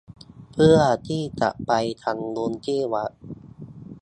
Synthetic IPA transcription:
pʰɯ˥˩ɐt̪ʰiː˥˩t͡ɕa̰˨˩ʔpa˧jt̪ʰa˧ŋdu˧nt͡ɕiː˥˩wa˦˥ʔ

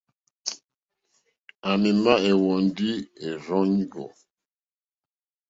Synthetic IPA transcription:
a˨mi˨ma˦e˨wɔ˨ndi˦e˨ɾɔ˦ɲ˦ɡɔ̰˨

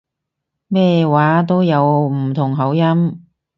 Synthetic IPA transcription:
mɛː˥waː˨˥t̪̬o˥wjɐ˨˧wm̩˨˩t̪ʰʊ˨˩ŋɦɐ˨˧˥wjɐ˥m

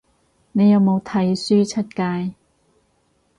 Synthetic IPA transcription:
ne˨˧jɐ˨˧wmo˨˧wt̪ʰɐ˨˥jsyː˥t͡sʰɐ˥t̚kaː˧j

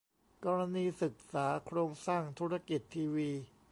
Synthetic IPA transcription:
kɔː˧ɾa˧niː˧sɯ˨˩k̚saː˩˦kʰɾoː˧ŋsaː˥˩ŋt̪ʰu˦˥ɾa˧ki˨˩t̪ʰːiː˧wiː˧

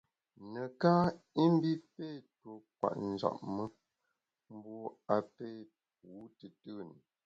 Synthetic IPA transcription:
nə˨ka˦i˦m˦bi˦peː˦˨to˨k̚wa̰˨ʔn̩˨za̰˨ʔmə˦ | m̩˦bɔ˦a˨pe˦˨ | p̚uː˨˦tə˨tɨ˦n˨

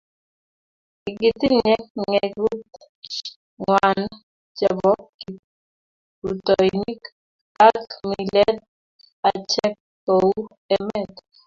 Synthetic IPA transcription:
i˨ɡi˨t̪i˦ɲɛ˦k̚ŋɛɡu˦t̪ | ŋwan | d͡ʒɛ˨bɔ˦ki˨ | u˨t̪ɔjni˦k | a˦kmilɛt̪̚ | a˨t͡ʃɛ˦k̚ː | ou | ɛ˦mɛ˨t̪

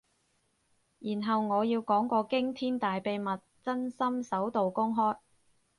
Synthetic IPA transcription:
jiː˨˩nɦɐ˨wŋɔː˨˧jiː˧wkɔː˨˥ŋkʷɔː˧kɪ˥ŋt̪ʰiː˥nt̪aː˨jpe˨˧jmɐ˨t̚t͡sɐ˥nsɐ˥msɐ˨˥wt̪o˨wkʊ˥ŋɦɔː˥j

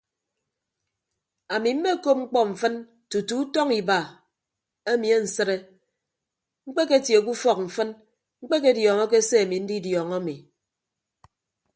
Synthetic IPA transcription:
a˨mi˨m̩˦me˦˨ko˦p̚ŋ͡m̩˦k͡pɔ˦ɱ̩˨fɨ˦n | tu˨tu˨˦tɔ˦ŋi˨ba˨ | e˦mi˨e˦n̩˨sɨ˦ɾe˦ | ŋ͡m̩˦k͡pe˦ke˦tje˨k̬u˦fɔ˦k̚ɱ̩˨fɨ˦n | ŋ͡m̩˦k͡pe˦ke˦djɔ˨ŋɔ˦k̬e˦se˦a˨mi˨n̩˦di˦djɔ˨ŋa˦mi˨

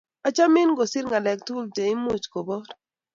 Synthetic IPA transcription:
a˨t͡ʃa˦mɪ˦nɡo˨sɪ˦ɾŋɡa˨lɛ˨k̚tu˦lte˨ɪ˦mʊ˦t͡ʃko˨bɔ˦ɾ

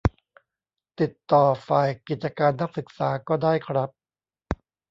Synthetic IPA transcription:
t̪i˨˩t̪ːɔː˨˩faː˨˩jki˨˩t̪̚t͡ɕa˧kaː˧nːa˦˥k̚sɯ˨˩k̚saː˩˦kɔː˥˩daː˥˩jkʰɾa˦˥p̚

